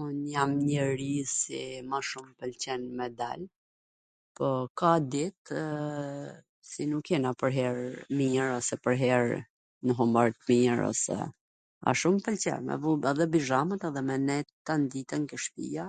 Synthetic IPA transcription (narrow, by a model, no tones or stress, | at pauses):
unjamɲəɾisḭmaʃumpəlt͡ɕɛnmɛd̪a̰l | pɔkad̪it̪ | sinukːɛnapəɾɦɛɾmiɲəɾɔsɛpəɾɦɛɾ | nəɦumbaɾt̪miəɾɔ̰sɛ̰ | a̰ʃumpəlt͡ɕɛ̰nmɛ̰vubaðɛbiʒamət̪aðɛmɛnɛt̪ːand̪it̪ɛŋkəʃpḭa